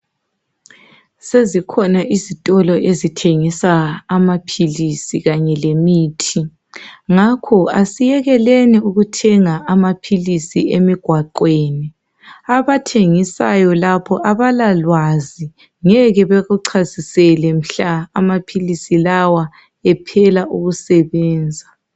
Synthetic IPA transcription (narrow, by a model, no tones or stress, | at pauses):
sezikʰɔnaʔizitʼɔlɔʔezitʰeŋisaːmapʰilisiɣaɲɛlemiːtʰi | ŋakʰɔasijɛɣɛlɛnɛuɣutʰɛŋaʔamapʰilisiemiɡ̥ʱwaǃweːni | aβatʰeŋisa̰jɔlapʰɔʔaβalalwazi | ŋɛɣɛβɛɣuǀʰazisɛlɛm̩ɬaːmapʰilisilawa | ɛpʰɛlaʔuɣusɛβɛːnd͡zʱa